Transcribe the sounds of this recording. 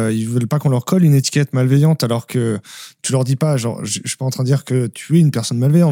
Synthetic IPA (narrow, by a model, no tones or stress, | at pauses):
ilvœlpakɔ̃lʁkʰɔlynet̪i̥kʲɛt̪malvejɑ̃t̪alɔʁkət̪ylœʁd̪ipaʒɑ̰̃ʁʒi̥paɑ̃t̪χɛ̃d̪əd̪iʁkət̪ʰyɛynpɛʁsɔnmalvejɑ̃